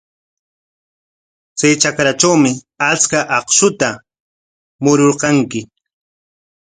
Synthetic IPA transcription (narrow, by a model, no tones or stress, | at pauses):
t͡sajt͡ʃakɾat͡ʃawmɪ | at͡skaʔɑqʃʊt̪a | mʊɾoɾqɑŋkɪ